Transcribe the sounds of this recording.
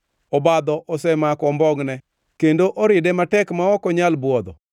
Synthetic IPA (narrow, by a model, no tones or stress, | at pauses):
ɔbad̪ɔʔɔsɛmakɔmbɔŋnɛ | kendoʔoɾɪdɛmatɛkmaɔkɔɲalbwɔd̪ɔ